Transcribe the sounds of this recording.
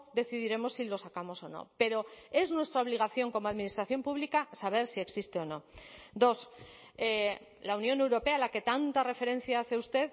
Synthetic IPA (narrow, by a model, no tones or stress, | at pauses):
d̪e̞θiðiɾe̞mo̞sːilo̞sakamo̞so̞no̞̰pe̞ɾo̞e̞znwe̞st̪ɾaoβliɣ̞aθjo̞ŋko̞moaðminist̪ɾaθjo̞mpuβlikasaβ̞e̞ɾsie̞ksist̪e̞o̞no̞d̪o̞s | e | launjõ̞ne̞wɾo̞pe̞alake̞t̪ant̪are̞fe̞ɾẽ̞n̟θjaaθe̞ust̪e̞ð